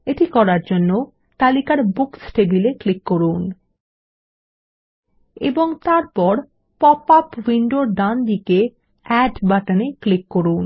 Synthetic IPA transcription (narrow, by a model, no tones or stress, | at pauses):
eʈikɔɾaɾd͡ʑonːo | t̪alikaɾbuksʈebileklikːoɾun | ḛboŋt̪aɾpɔɾ | pɔpapwiɳɖoɾd̪and̪ike | ɛɖbaʈaneklikːoɾun